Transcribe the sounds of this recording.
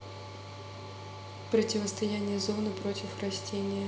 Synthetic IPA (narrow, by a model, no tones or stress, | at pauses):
pɾətʲɪvəst̪ɐjænʲɪjəzonɨpɾo̞tʲɪfrɐsʲtʲenʲɪjə